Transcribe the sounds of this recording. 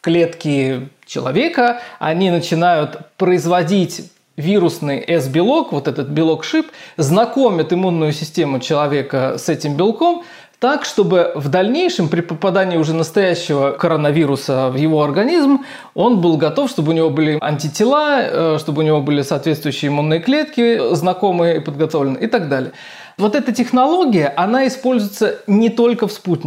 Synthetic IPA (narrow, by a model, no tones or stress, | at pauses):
klʲe̞t̪kʲɪt͡ɕɪ̰lˠɐ̰vʲe̞kəɐ̰nʲinət͡ɕɪnajʊt̪pɾəɪzvɐdʲitʲ | vʲiɾʊsnɨjɛzbʲɪlˠo̞kvo̞t̪ɛt̪ət̪̚bʲɪlˠo̞kʂɨpznɐko̞mʲɪt̪ɨmunːʊjʊsʲɪsʲtʲemʊt͡ɕɪlˠɐvʲe̞kəsɛtʲɪmbʲɪlˠko̞m | t̪akʂt̪o̞bɨvd̪ɐlʲnʲejʂɨmpɾʲɪpəpɐd̪anʲɪːʊʐɛnəst̪ɐjæɕːɪvəkəɾənɐvʲiɾʊsəvjɪvo̞ɐrɡɐnʲizm | o̞nbɨlˠɡɐt̪o̞fʂt̪o̞bɨʊnʲɪvo̞bɨlʲɪɐ̰nʲtʲɪtʲɪlˠaʂt̪o̞bəɨʊnʲɪvo̞bɨlʲɪsɐːt̪vʲet̪st̪vʊjʉɕːɪːɪmunːɨjəklʲe̞t̪kʲɪznɐko̞mɨjəɪpəd̪̚ɡɐt̪o̞vlʲɪnɨɪt̪aɡd̪alʲɪjə | vo̞t̪ɛt̪ətʲɪxnɐlˠo̞ɡʲɪjəʔɐnaɪspo̞lʲzʊjɪt̪sənʲɪt̪o̞lʲkəfsput̚ʲnʲɪ